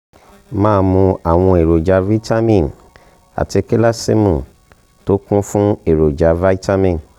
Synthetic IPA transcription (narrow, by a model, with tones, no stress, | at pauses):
mãː˦mũ˧a˨w̃ɔ̃˧e˨ɾo˨d͡ʒa˧˦vi˦ta˦mĩ˦˨n | a̰˨ti˧ke˦la˦si˦mũ˨ | to˦kũ˦fũ˦e˨ɾo˨d͡ʒa˨˧va˦i˦ta˦mĩ˨n